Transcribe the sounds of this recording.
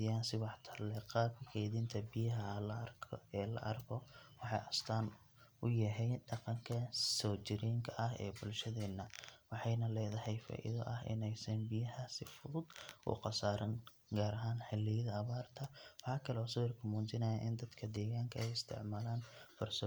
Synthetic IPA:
ɪjaːnsɪwɑħt̪ʰɐlɛqɑːbkʰɛjðɪnt̪ʰɐbɪjɐɦɐlɐrʰɛːlɐ̰ʔɐrkʰɔwɑħɑ̰jʔɐst̪ʰaːn | ʊjɐɦɛjɖɑqɑŋkʰɐsɔːt͡ʃɪɾɛːŋkʰɐʔɐɦɛ̰ːbʊlʃɐðɛːnːɐwɑħɑjnɐlɛːðɐhɛjfa̰ːʔɪ̰ðɔʔɐhʔɪ̰nɛjsɐnbɪjɐhɐsɪfʊðʊd̪ʔʊ̰qɑsaːɾʔɐn | ɡaːɾɐɦaːnħɛlɛjɐðɐɐβaːrt̪ʰɐwɑħɑːkʰɐlɛɔːsʊwɪrkʰʊmuːnt͡ʃɪnɐjɐʔɪnd̪ɐd̪kʰɐd̪ɛːɣaːŋkʰɐɛjɪst̪ʰɪ̰ʕmaːlaːnfɐrsɔ

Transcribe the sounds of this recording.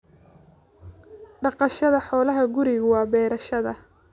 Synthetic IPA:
ɖɑqɑʃɐðɐħɔːlɐɦɐɡʊɾɪɣwɑːbɛːɾɐʃɐðɐ

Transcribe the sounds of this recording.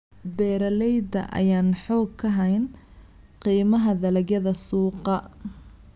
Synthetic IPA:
bɛːɾɐlɛjd̪ɐ̰ʔɐ̰jaːnħɔːɡkʰːɐɦɐjn | qiːmɐɦɐðɐlɐɣjɐðɐsuːqɑ

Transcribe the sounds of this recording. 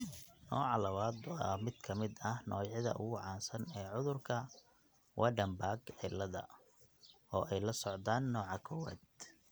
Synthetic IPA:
nɔːʕɑlɐβaːd̪wɑmɪd̪kʰɐmɪd̪ɐhnɔːjʕɪðɐ̰ʔʊɣʊʕɑːnsɐnɛːʕʊðʊrkʰɐ | wʔɑɖɐmbaːɡʕɪlːɐðɐ̰ | ɔːʔɛjlɐsɔʕd̪aːnːɔːʕɑkʰɔwa̰ːd̪

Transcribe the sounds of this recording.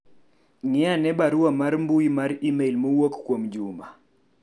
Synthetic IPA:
ŋɪanɛbaɾuamaɾmbuimaɾimeilmowokːwomd͡ʒuma

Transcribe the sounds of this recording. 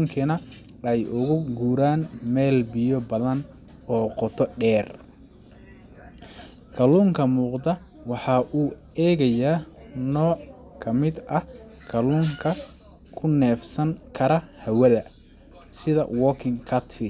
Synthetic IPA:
ŋkʰɐnɐ | ɛjʔʊɣʊɡuːɾaːnmɛːlbɪjɔbɐðɐn | ɔːqɔt̪ʰɔɖɛːr | kʰɐluːŋkʰɐmuːqd̪ɐ | wɑħɑʔuː | ɛːɣɐjaːnɔːkʰɐmɪd̪ɐkʰɐluːŋkʰɐ | kʰʊnɛːfsɐŋkʰɐɾɐhɐwɐðɐ | sɪðɐ̰wɔːkʰɪŋkʰɐt̪fɪ

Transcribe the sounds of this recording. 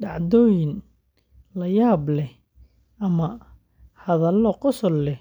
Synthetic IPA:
ɖɑʕd̪ɔːjɪn | lɐjaːblɛ | ɐmɐ | hɐðɐlːɔqɔsɔlːɛ

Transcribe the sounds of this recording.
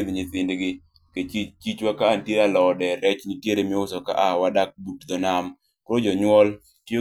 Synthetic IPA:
d̪ɲɪθɪndɡɪ | ket͡ʃit͡ʃit͡ʃwakaːntjealɔdɛɾɛt͡ʃnitjeɾemɪʊsɔka̰ʔawadak̚butd̪ɔnam | kɔɾɔd͡ʒɔɲwɔl | tjo

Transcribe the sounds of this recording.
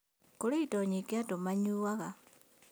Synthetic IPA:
koleitoɲikatomaɲuːwaɣa

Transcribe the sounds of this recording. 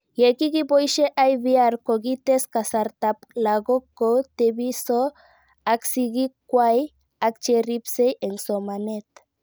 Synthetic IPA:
jekiɣipojʃeʔajβiaɾkoɣit̪eskasaɾt̪aplaɣokot̪eβiso | aksiɣikwaj | ak̚t͡ʃeripsejeŋsomanet̪

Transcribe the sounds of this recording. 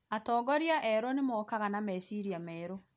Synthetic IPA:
atɔːɡɔɾiaʔɛɾonemɔːkaɣanamɛsiɾiamɛːɾo

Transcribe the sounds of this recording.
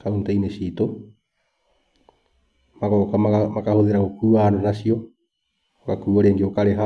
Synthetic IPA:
kauntaineɕiːto | makɔkamakahoðeɾaɣokuːananaɕiɔ | okakuɔɾeːŋɡeokaɾeɦa

